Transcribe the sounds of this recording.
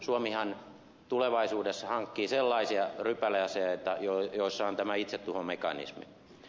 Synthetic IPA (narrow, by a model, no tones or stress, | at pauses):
suomihɑn | t̪uleʋɑisuːdesːɑhɑŋkːiːselːɑisiɑrypːæleɑseɑot̪ːɑjojoisːɑont̪æmæit̪set̪t̪uhomekɑ̰nḭsmḭ